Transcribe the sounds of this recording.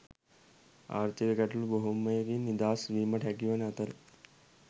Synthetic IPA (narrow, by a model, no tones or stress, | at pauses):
a̰ːɾt̪iʋekɐʈulboɦumɐjɡinid̪aːsʋiːmɐʈʰaɡiʋɐnat̪ɐl